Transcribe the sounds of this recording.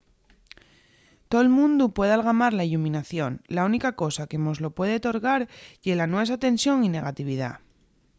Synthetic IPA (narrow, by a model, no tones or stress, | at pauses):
t̪o̞elmũnd̪upwe̞ð̞alɣ̞amaɾlailumĩnaθjo̞nlaunikako̞sake̞mo̞zlo̞pwe̞ðe̞ot̪o̞ɾɣaɾʝe̞lanwe̞s̬at̪e̞nsjo̞ŋine̞ɣ̞at̪iβ̞ið̞a̰